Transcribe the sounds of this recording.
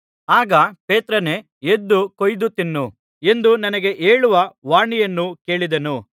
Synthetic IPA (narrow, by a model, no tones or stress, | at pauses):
aːɡɐpe̞ːt̪ɾɐne̞ | ed̪ːukojd̪ut̪inːu | e̞nd̪unɐnɐɡe̞ʔeːɭuʋɐʋaːɳijɐnːuke̞ːɭid̪ɐnu